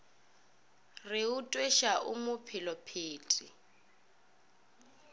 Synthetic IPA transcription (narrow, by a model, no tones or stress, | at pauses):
rɪutʼweʃaʔumʊpʰɪlɔpʰiːtʼi